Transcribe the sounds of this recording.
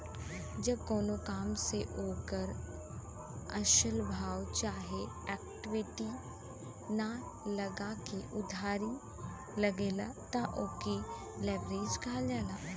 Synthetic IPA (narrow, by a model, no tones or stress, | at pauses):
d͡ʒɐb̚koːnokaːmseʔoːkəɾ | ɐʃəlbʱaːwt͡ʃaːɦe | ɛːk̚ʈɪʋɪʈi | na | lɐɡakeʔʊd̪ʱaːɾi | lɐɡeːlat̪aʔoːki | leːbɾeːd͡ʒkʰaːld͡ʒaːlaː